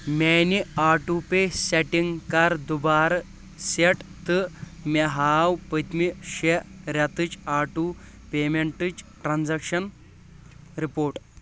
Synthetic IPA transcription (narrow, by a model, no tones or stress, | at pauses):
meniaːʈupeseʈiŋɡkaɾd̪ubaːɾ | seʈt̪ɨmeɦaːwpət̪miɕeɾjat̪ɨt͡ʃaːʈu | pemeɳʈɨt͡ʃʈɾand͡zɐkʂɐn | ɾipoːɾʈ